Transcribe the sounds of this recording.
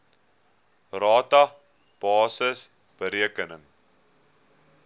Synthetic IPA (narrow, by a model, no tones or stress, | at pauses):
rɑːtɐ | b̥ɑːsəs | b̥əɾiəkənəŋ